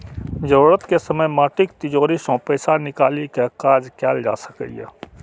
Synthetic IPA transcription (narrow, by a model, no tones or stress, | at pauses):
d͡ʒoːɾət̪kesəməjmaːʈɪkt̪ɪd͡ʒoːɾisõpəjsanɪkaːlikekaːd͡ʒkɛːld͡ʒa̰ːsə̥kə̰jɛ̰ː